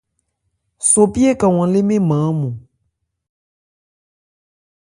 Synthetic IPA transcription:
so˨pi˦e˦ka˨w̃ɔ̃˨le˦mẽ˦mã˨˦mũ˨

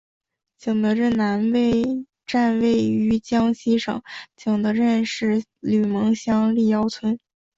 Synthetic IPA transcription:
t͡ɕɤ˨˩ŋd̪ə˦ɻə˥˩na˧˥nwe˥˧ɪ | ʈ͡ʂa˥˧nwe˥˩ɪy˧˥t͡ɕjɑ˥ŋɕi˥ʂɤ̰˨˩˦ŋt͡ɕɤ˨˩ŋd̪ə˦ɻə˥˧nʂɻ̩˥˩ly˨˩mɤ˧˥ŋɕjɑ˥ŋli˥˩jɑ˥ʊt͡sʰwə˥n

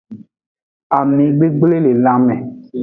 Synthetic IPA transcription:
a˨mĩ˨ɡ͡be˦ɡ͡ble˦le˨lã˦mɛ̃˨

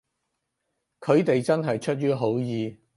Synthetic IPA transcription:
kʰɵ˨˧ɥt̪e˨jt͡sɐ˥nɦɐ˨jt͡ʃʰɵ˥t̚jyː˥ɦo˨˥wjiː˨˧

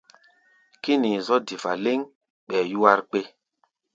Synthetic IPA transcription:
ki˦niː˨zɔ˦di˨fa˨le˦ŋ | ɓɛː˨ju˦a˦ɾk͡pe˦

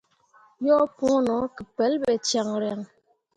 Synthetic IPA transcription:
jɔ˦pu˦nɔ˨˦kə˨pɛ˨˦lbɛ˨t͡ʃja˨ŋɾɛ˨ŋ

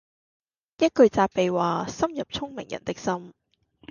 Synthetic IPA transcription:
jɐ˥t̚kɵ˨˧ɥt͡saː˧p̚pːe˨jwaː˨˩sɐ˥mjɐ˨p̚t͡sʰʊ˥ŋmɪ̰˨˩ŋjɐ̰˨˩nt̪ɪ˥k̚sɐ˥m

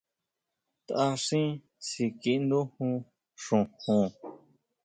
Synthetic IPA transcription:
t̪a˧ʂĩ˦ | si˧ki˧nd̪ũ˦hũ˧ | ʂũ˨hũ˧˨

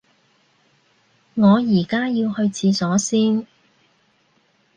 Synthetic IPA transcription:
ŋɔː˨˧jiː˨˩kaː˥jiː˧whɵ˧ɥt͡sʰiː˨˧sɔː˨˥siː˥m

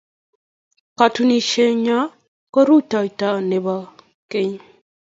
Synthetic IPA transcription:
ka˨tu˦ni˨ʃe˦ɲa˦ | ko˦ɾu˦ta˨jta˨ne˨ba˨ | ke˦ɲ

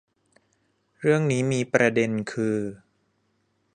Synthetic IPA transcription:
ɾɯ˥˩əŋniː˦˥miː˧pɾa˧de˧nkʰɯː˧

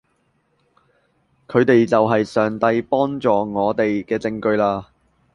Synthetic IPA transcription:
kʰɵ˨˧ɥt̪e˨jt͡sɐ˨wɦɐ˨jsœː˨˩ŋt̪ɐ˧jpɔː˥ŋt͡sɔː˨ŋɔː˨˧t̪e˨jkɛː˧t͡sɪ˧ŋkɵ˧ɥlaː˧

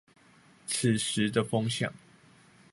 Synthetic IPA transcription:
t͡s̩ʰ˨˩ʂɻ̩˨˦d̪ə˧fɤ˥ŋɕjɑ̰˨˩˦ŋ

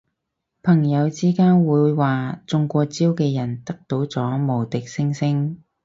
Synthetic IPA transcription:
pʰɐ˨˩ŋjɐ˨˧wt͡siː˥kaː˥nwuː˨˧jwaː˨t͡sʊ˧ŋkʷɔː˧t͡siː˥wkɛː˧jɐ˨˩nt̪ɐ˥k̚t̪o˨˥wt͡sɔː˨˥mo˨˩wt̪ɪ˨k̚sɪ˥ŋsɪ˥ŋ

